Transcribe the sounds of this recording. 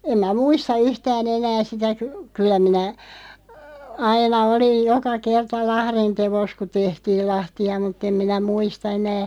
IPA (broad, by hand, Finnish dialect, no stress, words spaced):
em mæ muistɑ yhtæːn enæː sitæ ky kylˑæ minæ ɑinɑ olij̆ jokɑ kertɑ lɑhrin teʋos ku tehtiːl lɑhtiɑ mutˑ em minæ muistɑ enæː